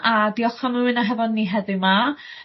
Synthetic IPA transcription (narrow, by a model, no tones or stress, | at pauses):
adiɔχamɨnaɦɛvɔdniːɦɛðɨma